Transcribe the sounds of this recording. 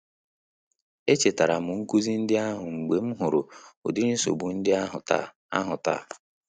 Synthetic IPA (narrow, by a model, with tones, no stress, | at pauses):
e˦t͡ʃe˨ta˨ɾa˨mʊ˨ŋ̩˦ku˦zi˦n̩˦dɪ˦a˦ɦʊ˨ŋ͡m̩˨ɡ͡be˨m̩˦ɦʊ˨ɾʊ˨ʊ̰˨dɪ˦ni˦so̰˨bu˨n̩˦dɪ˦a˦ɦʊ̰˨ta̰˦˨ | a˦ɦʊ˨ta̰˦˨